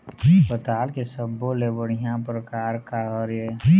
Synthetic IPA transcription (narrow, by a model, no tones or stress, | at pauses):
ɐspət̪aːlkesəbːolebəɽ̤ijãpɾəkaːɾkaɦəɾje